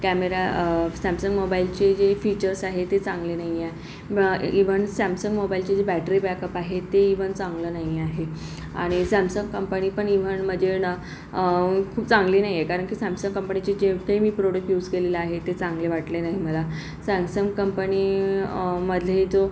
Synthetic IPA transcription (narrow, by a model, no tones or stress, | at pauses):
kæmeɾasæmsəŋɡmobailt͡ɕed͡ʑefit͡ɕəɾsaɦet̪et͡sãŋɡlenaɦiaɦe | iʋ̤əɳsæmsəŋɡmobailt͡ɕed͡ʑebæʈɾiːbɛkəpaɦet̪eiʋəɳt͡sãŋɡləːnaɦiaɦe | aɽ̃isæmsəŋɡkəmpəniːpəɳiʋəɳm̤əd͡ʑʱenə | kʰuːpt͡sãŋɡliːnaɦijekaɾəɳkiːsæmsəŋɡkːəmpənit͡ɕed͡ʑekaimiːpɾoɽək̚ʈjuːd͡zkeleleaɦet̪et͡sãŋɡleʋaʈlenaɦim̤əla | sæ̃msəŋɡkəmpəni | məd̪ʱjed͡zo